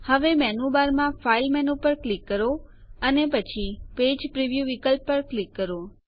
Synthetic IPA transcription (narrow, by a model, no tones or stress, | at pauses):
həʋemɛnubaɾmãfailmɛnupəɾklikːəɾo | ənepət͡ʃʰiped͡ʒpɾiʋjuʋikəlpːəɾklikːəɾo